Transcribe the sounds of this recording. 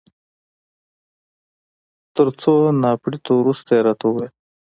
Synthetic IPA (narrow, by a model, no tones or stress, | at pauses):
t̪əɾt͡sonɑːpɽit̪owɾust̪aɾat̪owe